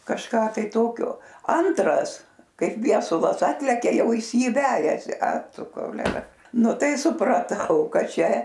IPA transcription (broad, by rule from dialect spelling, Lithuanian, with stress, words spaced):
kɐʃˈkɑː tɐɪ ˈtoːkʲoː ˈɐntrɐs ˈkɐɪp ˈʋʲiɛsʊlˠɐs ˈɑːtʲlʲɛkʲɛ ˈjɛʊ ˈjɪs ˈjiː ˈʋʲæːjɛsʲɪ ɐ ˈtʊ koːʊˈlʲæːrɐ ˈnʊ ˈtɐɪ sʊprɐˈtɐʊ ˈkɐt ˈt͡ʃʲɛ